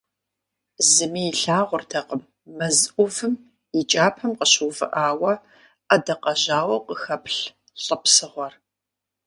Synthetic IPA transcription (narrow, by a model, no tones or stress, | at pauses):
zɨmiːɬaːʁʷʊrtʰɐqəmː | ɐzʔʷʊvɨm | it͡ʃʼaːpʰɐmqəɕuvɨ̰ʔaːwɐ | ɐdɐqɐʑaːwɐqʷəxɐpʰɬ | ɬʼɐpsɨʁʷɔr